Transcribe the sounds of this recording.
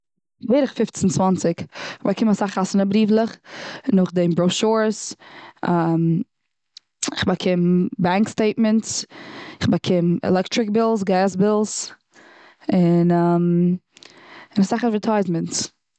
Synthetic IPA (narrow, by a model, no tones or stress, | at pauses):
veːɾɪχfɪft͡sn̩t͡svɔnt͡sɪkɪχbakʰɪmasaχasɪnabɾiːvlˠəχnʊχdɪmbɾoʊʃuɹs | am | ɪχbakʰɪmbaŋksteɪt̚mɛntsɪχbakʰɪmɛ̰lɛktɾɪk̚bɪlˠs̬ɡaːsbɪlˠs | ɪnam | ɪnasaχazvɛɹtʰaɪzmɛnts